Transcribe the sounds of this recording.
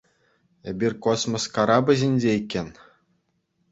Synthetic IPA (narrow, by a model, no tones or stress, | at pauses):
ebʲirʲkosmoskaɑɾɑbɘ̆ʑʲinʲd͡ʑʲeikʲːenʲ